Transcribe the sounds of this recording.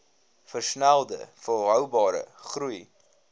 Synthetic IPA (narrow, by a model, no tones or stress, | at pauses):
fərsnælˠdə̰fəlˠɦœwbɑːɾə̰χɾuj